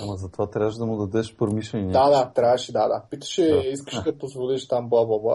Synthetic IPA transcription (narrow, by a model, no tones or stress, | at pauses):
ɐmɐzɐt̪ovat̪ɾʲavəʃd̪ɐmʊd̪ɐd̪ɛʃpɾomiʃlɛnʲid̪ad̪at̪ɾʲavɐʃid̪ad̪a̰pit̪ɐ̥ʃɛiskə̥ʃɐpozvoliʃt̪amblˠablˠablˠa̰